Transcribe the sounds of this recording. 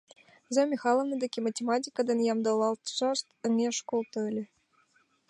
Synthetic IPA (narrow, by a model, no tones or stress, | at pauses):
zɑmʲixɑlˠovnɤd̪ɑkʲematʲemɑtʲikɑd̪enjɑmd̪ɑlˠɑlˠt̪sɑst̪ɘ̆ŋeʂkolˠt̪ɤ̆ɘ̆lʲɘ̆